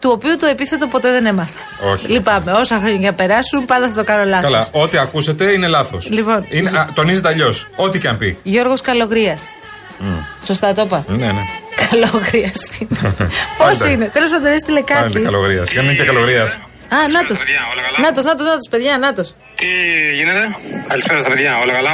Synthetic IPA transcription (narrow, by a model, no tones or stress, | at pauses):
t̪uo̞piut̪o̞e̞piθe̞t̪o̞po̞t̪eðe̞nemɐθɐ̥ | o̰çlipɐme̞o̞sɐxɾo̞ɲɐcɐnɐpe̞ɾɐsunpɐnd̪ɐθɐt̪okɐno̞lɐθkɐlɐo̞t̪iɐkuse̞t̪e̞ine̞lɐθo̰slipo̞ninet̪o̞nizet̪eɐʎo̞so̞t̪icɐmpiʝo̞ɾɣo̞skɐlo̞ɣɾiɐs | so̞st̪ɐt̪o̞pɐnenekɐloɣɾiɐsinepossiine̞t̪elosmpɐɐt̪ones̬t̪ilekɐt̪iɐloɣɾiɐ̰sɣɐneit̪ekɐloɣɾiɐs | ɐnnɐt̪oslnɐt̪oznɐt̪oznɐt̪ospe̞ðʝɐnɐt̪o̞s | t̪iʝinet̪eɐlisfeonɐst̪ɐpeðʝɐolɐkɐlɐ